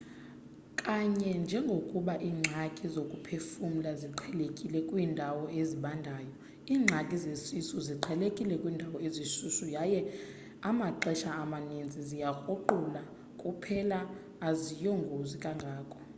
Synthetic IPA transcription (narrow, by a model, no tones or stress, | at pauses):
kʼaɲɛnd͡ʒʱɛŋɡʱokʼuɓaʔiːŋ͡ǁʱakʼizokʼupʰefum̩laziǃʰɛlekʼilɛkʼwiːndʱawɔeziɓandʱaːjɔ | iːŋ͡ǁʱakʼizesisuziǃʰɛlekʼilɛkʼwiːndʱawɔezisuʃujajɛ | amaǃɛʃaːmanind͡zʱizijaxoǃula | kʼupʰɛlaː | zijɔŋɡʱozikʼaŋɡʱaːkʼɔ̥